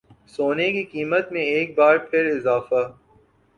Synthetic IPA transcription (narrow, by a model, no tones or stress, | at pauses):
soːnekikiːmət̪mẽeːk̚baːɾpʰɪɾɪzaːfa